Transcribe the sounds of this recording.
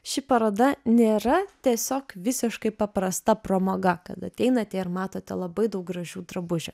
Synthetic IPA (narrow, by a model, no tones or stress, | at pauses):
ʃʲɪpɐɾoːd̪ɐnʲeːɾɐt̪ʲiɛsʲoːkʋʲɪsʲɪʃkɐɪpɐpɾɐst̪ɐpɾoːmoːɡɐkɐ̰t̪ɐt̪ʲɛɪnɐt̪ʲɛɪɾmɑːt̪oːt̪ʲɛlˠɐbɐɪd̪ɐʊk̚ɡɾɐʒʲuːd̪ɾɐbʊʒʲʊ